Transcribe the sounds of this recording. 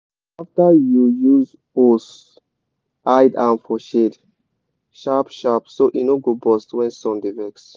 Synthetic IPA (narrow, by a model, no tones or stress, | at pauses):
aftajujuz | os | ʔajdãnfɔʃed | ʃapʃapsoʔinoɡobɔstwɛ̃nsɔ̃ndivɛks